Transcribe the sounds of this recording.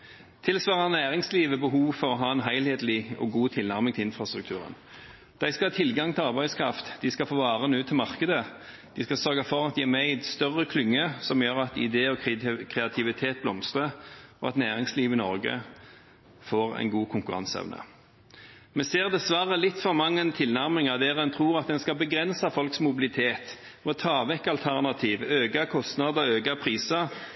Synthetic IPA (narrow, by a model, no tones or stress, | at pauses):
t̪ʰɪlsʋɑːʁənæːʁɪŋsliːʋəbəɦuːʋfɔʁɔɦɑːɛnɦæɪlheːd̪lɪɔ̰ɡuːt̪ʰɪlnæʁmɪŋt̪ʰɪɪnfɾʁɑst̪ʁʉk̚t̪ʰʉːʁə̰n | d̪̥æɪskɑhɑːt̪ʰɪlɡɑŋt̪ʰɪlɑʁbæɪskʰɾɑft̪d̪̥ɪskɑfoːʋɑːʁənʉːt̪ʰːɪlmɑʁkəd̪ə | d̪̥ɪskɑsœʁɡɑfɔʁɑt̪̚d̪ɪæʁmæɪd̪st̪œʁəkʰlʏŋːəsɔmjøːʁɑt̪ɪ̰d̪eːɔkʰʁɛɑt̪ʰɪʋɪt̪ʰeːt̪̚blɔmst̪ʁəʔɔɑt̪næːʁɪŋsliːʋɪnɔ̰ʁɡə̰ | foːʁɛ̰ɪnɡuːkʰʊŋkʉʁɑ̰nsɛ̰ʋnə̰ | mɛseːʁd̪ɛsʋɑːʁəlɪt̪ːfɔʁmɑŋːənt̪ʰɪlnæʁmɪŋɑd̪ɛːʁɛnt̪ʰʁuːʁɑt̪̚d̪ɛnskɑlbəɡʁɛnsɑfɔlksmʊbɪlɪt̪ʰeːt̪ | mɔt̪ʰɑːʋɛkːɑlt̪ʰæʁnɑt̪ʰiːʋøːɡɑkʰɔst̪nɑd̪əøːɡɑpʰʁiːsə